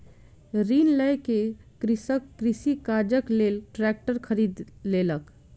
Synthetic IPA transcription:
ɾinləjke | kɾisəkːɾisikaɾd͡ʒəklelʈɾɛk̚ʈəɾkʰəɾid̪lelək

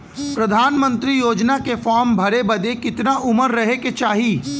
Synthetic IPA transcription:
pɾɐd̪ʱaːnmə̃nt̪ɾijoːd͡ʒnakefɔːɾmbʱɐɾebɐd̪ekɪt̪naʔʊməɾːɐɦeket͡ʃaːɦiː

